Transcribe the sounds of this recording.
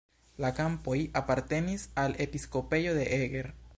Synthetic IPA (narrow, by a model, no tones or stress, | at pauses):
lakampo̞japaɾt̪e̞nisalepisko̞pe̞jo̞ðe̞ʔeɡeɾ